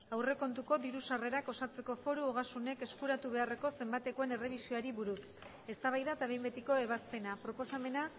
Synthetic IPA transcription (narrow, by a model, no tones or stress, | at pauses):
awre̞ko̞nt̪uko̞d̪iɾusare̞ɾako̞sat͡se̞ko̞fo̞ɾuoɣ̞asune̞ke̞skuɾat̪uβ̞e̞are̞ko̞se̞mbat̪e̞koe̞ne̞re̞β̞isioaɾiβuɾus | e̞st̪aβajðaet̪aβe̞jmbe̞t̪iko̞e̞β̞aspe̞napɾo̞po̞same̞na